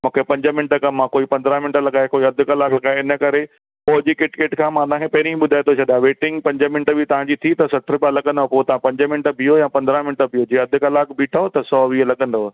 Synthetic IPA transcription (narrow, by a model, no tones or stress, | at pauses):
mũːkʰepɐ̃ɲd͡ʑəmɪ̃nʈəkɐmːãkoːipɐ̃nd̪ɾãmɪɳʈəlɐɠaːekoːiɐd̪ʱʊ̆kɐlaːkʰlɐɠaːeɪnə̆kɐɾe | poːd͡ʑikɪʈkeːʈkʰãːmãt̪ãːkepɐɦɪɾĩɓʊd̪ʱaːet̪ʰot͡ɕʰɐɗ̪ãʋeːʈɪ̃ŋɡpɐ̃ɲd͡ʑəmɪnʈəbʱɪt̪ɐʋ̤ãɲd͡ʑiːt̪ʰit̪ɐsɐʈʰɾpalɐɠə̃nd̪opot̪ɐʋãpɐ̃ɲd͡ʑəmɪ̃nʈəbʱijojãːpɐ̃nd̪ɾãmɪnʈəbʱijod͡ʑeːɐd̪ʱʊkɐlaːkbiːʈʰaot̪ɐsɔːʋiːəlɐɠə̃nd̪oː